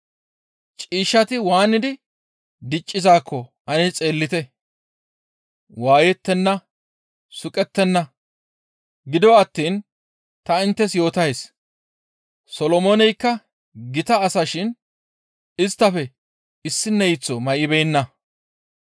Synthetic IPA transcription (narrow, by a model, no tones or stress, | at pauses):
t͡ʃʼiːʃːɐt̪ɪwaːnːɪd̪ɪ | d̪ɪt͡ʃʼːɪzaːkːɔ | ɐnɪt͡sʼe̞ːlːɪt̪ɛ | waːjɛt̪ːɛnːɐ | sʊkʼɛt̪ːɛnːɐ | ɡɪd̪ɔɐt̪ːiːn | t̪ɐɪnt̪ːɛsjo̞ːt̪ɐjs | sɔlɔmonɛjkːɐ | ɡɪt̪ɐːsɐʃɪn | ɪst̪ːɐfɛ | ɪsːɪnːɛjɪt͡sːɔmɐʔɪbɛjnːɐ